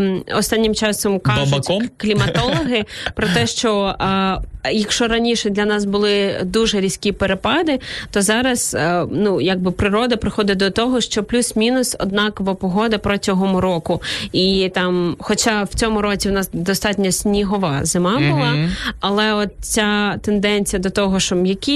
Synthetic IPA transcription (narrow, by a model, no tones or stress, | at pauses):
ɔst̪ɑnʲːɪmt͡ʃɑsɔmkɑbklʲimɐt̪ɔlˠɔɦɪpɾɔt̪ɛʃt͡ʃɔ | jɐkʃɔɾɐnʲiʃɛd̪lʲɐnɑs̬bʊlˠɪd̪uʒɛɾʲisʲkʲipeɾepɑd̪ɪt̪ɔzɑɾɐsnujaɡ̚bɪpɾɪɾɔd̪ɐpɾɪxɔd̪ɪd̪ɔt̪ɔɦɔʃt͡ʃɔplʲusmʲinʊsɔ̰d̪nɑkɔʋɐpɔɦɔd̪ɐpɾɔtʲɔɦɔmʊɾɔkʊit̪ɑmxɔt͡ʃɑwt͡sʲɔmʊɾɔt͡sʲiwnɑsd̪ɔst̪ɑtʲnʲɐsʲnʲiɦɔʋɑ̰zɪmɑbʊlˠɑɐlˠɛɔt̪̚t͡sʲat̪end̪ɛnʲt͡sʲijɐd̪ɔt̪ɔɦɔʃt͡ʃɔbjɐkʲi